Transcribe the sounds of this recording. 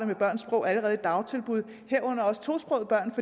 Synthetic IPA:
ɾəmeb̥ɶɐ̰nsb̥ʁɔ̽ʊæləʁɛːð̩ˠd̥ɑ̈ʊt͡sʰe̝lb̥uð̞ˠ | heɐ̰ɔ̽n̰ɐɒ̽sə̥t͡sʰo̝̰ːsb̥ʁɔʊb̥ɶɐ̰nfɒ̽

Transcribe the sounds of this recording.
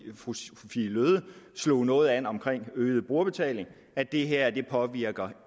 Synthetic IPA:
filøð̞ˠəslo̝̰ːnɔ̽ːð̞̩ˠænɒ̽mkʰʁeŋ̰øːð̞̩ˠəb̥ʁuɐ̰b̥e̝t͡sʰɛ̰ːle̝ŋ | æd̥e̝ɦeɐ̰d̥e̝pʰɒ̽ʋiɐ̰ɡ̥ɐ

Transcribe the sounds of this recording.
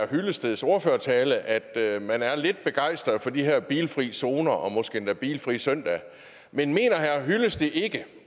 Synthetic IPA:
ɐhyləsd̥eð̩ˠso̝ɐføːɐt͡sʰɛːləʔæd̥ømænæɐle̝d̥̚b̥e̝ɡ̥ɑ̈ɪsd̥ʁɐðˠfɒ̽d̥iɦæɐ̰b̥iːlfʁḭːso̝ːnɐʔɒ̽mɒ̽sɡ̥eend̥æb̥ḭːlfʁḭːsœn̰d̥ɛ | menme̝̰ːnɐɦæɐ̰ɦyləsd̥e̝ʔe̝ɡ̥ə

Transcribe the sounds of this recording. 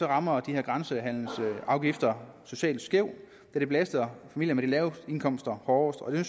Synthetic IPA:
sɒʁɑ̈mɐd̥iheɐɡ̥ʁansəɦæn̰l̩sɑ̈ʊɡ̥ifd̥ɐso̝ɕɛ̰ːl̥sɡ̥eʊ̰ | d̥æɐd̥eb̥læsd̥ðɐfæmḭl̰jɐmed̥ilɛːʊe̝nkʰɒ̽m̰sd̥ɐhɒːsd̥ɒ̽d̥e̝syn

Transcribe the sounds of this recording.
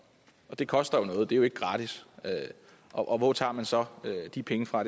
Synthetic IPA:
ʔɒ̽d̥e̝kʰɒ̽sd̥ɐjo̝nɔ̽ːð̞̩ˠd̥e̝æjo̝e̝ɡ̥əɡ̥ʁɑ̈ːd̥isø | ʔɒʔɒ̽ʋɒt͡sʰɑ̰̈ːmænsɒ̽ød̥ipʰeŋəfʁɑ̈d

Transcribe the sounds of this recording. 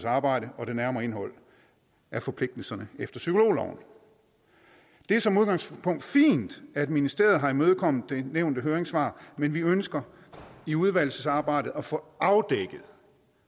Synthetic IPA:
sɑ̈ːb̥ɑ̈ɪ̰ɾəʔɒ̽ɾ̥e̝næɐmɐːe̝nɦɒ̽l̰ | ʔæfɒ̽pʰle̝ɡ̥̚d̥l̩sɐnəefd̥ɐsykʰo̝lo̝̰ːlɒ̰ʊ̰n̩ | d̥e̝æɐsɒ̽muð̞ˠɡ̥ɑ̈ŋspʰɔ̽ŋ̰d̥fḭːnd̥æd̥minisd̥e̝ɐð̞̩ˠɦɑ̈imøð̞ˠkʰɒ̽m̰ð̩ˠd̥e̝neʊnd̥əɦøːɐʁeŋsʋɑ̰̈ːmenʋiønsɡ̥ɐ | iuð̞ˠʋæl̰səsɑ̈ːb̥ɑ̈ɪ̰d̥ð̩ˠæfɔɑ̈ʊd̥eɡ̥ð̩ˠ

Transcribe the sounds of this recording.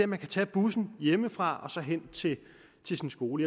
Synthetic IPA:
æmænkʰæt͡sʰɛ̰ːb̥usn̩jeməfʁɑ̈ɒ̽sɒ̽ɦen̰t͡sʰe̝ | t͡sʰe̝lsinsɡ̥o̝ːləjɑ

